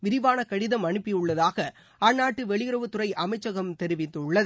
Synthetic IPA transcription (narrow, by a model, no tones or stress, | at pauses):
ʋɪɾɪʋaːnɐkɐɽɪðɐmɐɳɯpːɪjɯɭːɐðaːɣɐ | ɐnːaːʈːɯʋɛɭɪɣɪɾɐʋɯt̪ːʊrɐɪʔɐmɐɪt͡ʃːɐɣɐmt̪ɛɾɪʋɪt̪ːɯɭːɐð